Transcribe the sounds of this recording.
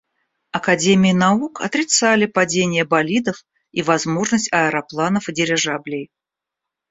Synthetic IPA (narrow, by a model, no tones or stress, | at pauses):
ɐkɐdʲemʲɪjɪnɐukɐ̰t̪ɾʲɪt̪salʲɪpɐdʲenʲɪjəbɐlʲid̪əf | ivɐzmo̞ʐnəsʲtʲɐəɾɐplˠanəfɨdʲɪɾʲɪʐablʲɪj